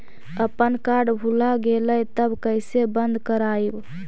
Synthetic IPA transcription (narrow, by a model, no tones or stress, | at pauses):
əpənkaɾɖbʱulaɡeləjt̪əbkəɪsebənd̪ʱkəɾaːib